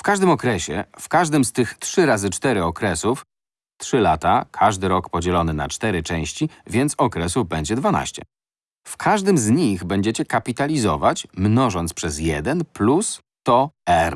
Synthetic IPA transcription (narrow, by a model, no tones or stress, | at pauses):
fkaʐd̪ɘmɔkɾɛɕɛ̰fkaʐd̪ɘmst̪ɘxt̪ʂɘɾazɘt͡ʂt̪ɛɾɘɔkɾɛsuf | t̪ʂɘlat̪akʰaʐd̪ɘɾɔkpɔd͡ʑɛlɔnɘna̰t͡ʂt̪ɛɾɘt͡ʂɛ̃w̃ɕt͡ɕivʲjɛnt̪sɔkɾɛsuvbɛɲd͡ʑɛd̪vana̰ɕt͡ɕɛ̰ | fkʰaʐd̪ɘmzɲiɣbɛɲd͡ʑɛt͡ɕɛkapʲit̪alʲizɔ̰vat͡ɕmnɔʐɔnt̪spʂɛzjɛd̪ɛnplus | t̪ɔɛɾ